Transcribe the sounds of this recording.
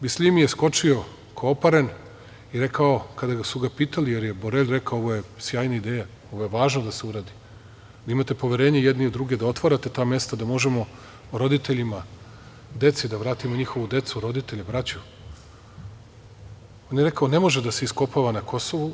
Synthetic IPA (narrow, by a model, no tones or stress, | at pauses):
bislʲimjesko̞t͡ʃio̞ | kʰopaɾen | iɾe̞kao̞kad̪aɡasuɡapiːt̪alije̞ɾje̞boɾeʎʲɾe̞kaooʋoje̞sjaːjnaid̪eːja | o̞ʋo̞je̞ʋaːʒnad̪ase̞uɾaːd̪i | d̪aimat̪e̞po̞ʋjeɾeːɲejed̪niod̪ɾuɡe̞d̪ao̞t̪ʋaɾat̪e̞t̪aːmje̞st̪ad̪amo̞ʒe̞mo̞ | ɾo̞d̪it̪eʎima | d̪e̞t̪sid̪aʋɾaːt̪imoɲixo̞ʋud̪e̞t̪suɾo̞d̪it̪e̞ʎebɾat͡ɕu | o̞njeɾe̞kaone̞mo̞ʒed̪aseisko̞paʋanakʰo̞so̞ʋu